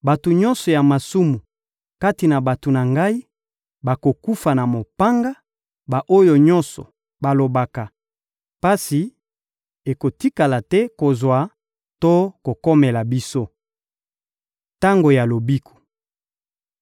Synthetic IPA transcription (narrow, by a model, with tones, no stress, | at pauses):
ba˨to˨ɲɔ̃˦nsɔ˨ja˨ma˨su˦mu˨ | ka˦ti˨na˨ba˨to˨na˨ŋɡa˦i˦ | ba˨ko˨ku˦fa˨na˨mo˨pa˦ŋɡa˦ | ba˨ʔo˦jo˨ɲɔ̃˦nsɔ̰˨ | ba˨lo˨ba˨ka˨ | pa˦si˨ | e˨ko˨ti˦ka˨la˨tɛ˦ko˨zwa˨˦ | to˦ko˨kɔ˦mɛ˨la˨bi˦so˦ | ta˦ŋɡo˨ja˨lo˨bi˦kʰu̥˨